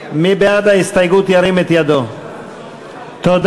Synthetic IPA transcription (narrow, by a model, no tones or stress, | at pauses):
mibead̪aist̪ajɡut̪iaɾimet̪iad̪o | t̪od̪